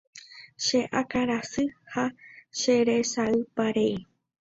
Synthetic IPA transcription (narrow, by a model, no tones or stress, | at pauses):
ʃe̞ʔakaɾasɨhaʃeɾe̞saɨpaɾei